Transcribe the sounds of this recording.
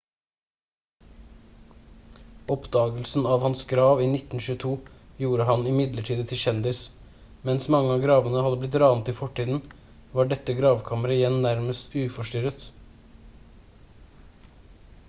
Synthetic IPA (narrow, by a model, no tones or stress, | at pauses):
ɔpd̪ɑːɡəlsn̩ɑːʋhɑnsɡɾɑːʋiːnɪt̪n̩ʃʉːət̪ʰuːjuːɾəɦɑnɪmɪd̪ləʈʰiːd̪ət̪ʰɪʃɛnd̪ɪs | mɛnsmɑŋːəɑːɡɾɑːʋənəhɑd̪əblɪt̪ɾɑːnət̪ɪfɔʈʰːiːd̪n̩ | ʋɑːɖɛt̪ːəɡɾɑːʋkʰɑməɾəɪjɛnːæɾməst̪ʉːfɔʂʈʏɾət̪